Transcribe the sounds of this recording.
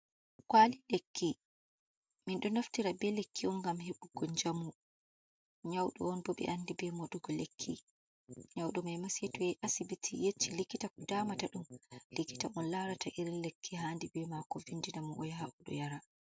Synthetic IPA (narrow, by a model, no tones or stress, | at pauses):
kwalilekʰːi | minɗɔnaftiɾabɛlekʰːiɔnɡamheɓuɡɔɲd͡ʒamu | ɲawɗɔ̰ɔnbɔɓɛ̰ʔandibɛmɔɗuɡɔlekʰːḭ | ɲawɗɔmɛjmasetɔjɛjʔasibitʰijet͡ʃːilikːitakɔdaːmataɗumlikːi̥taɔnlaɾatʰaʔiɾinlekʰːiɦaːndibɛmakɔvindinamɔʔɔ̰jɦaʔuɗɔ̰jaɾa